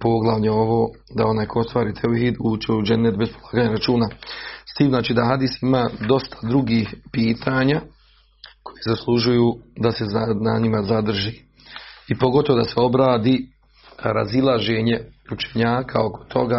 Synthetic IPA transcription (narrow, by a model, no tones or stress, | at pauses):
po̞ɡlˠaʋɲeo̞ʋo̞ːd̪ao̞naːjkoost̪ʋaːɾiːt̪ʰeuɦiːd̪ut͡ʃeud͡ʒenːet̪bespolˠaːɡaːɲaɾat͡ʃuːnast̪iːmznaːt͡ʃiːd̪aɦad̪iːsimaːd̪o̞st̪ʰḁd̪ɾuɡihpiːt̪ʰaːɲa | kʰo̞jezaslˠuʒujud̪ase̞zananimazad̪r̩ʒiː | ipo̞ɡo̞t̪oʋo̞d̪aseo̞bɾaːd̪i | ɾa̰zilˠaʒe̞ɲe̞ut͡ʃe̞̥ɲaːkʰao̞ko̞̥t̪ʰo̞ɡaː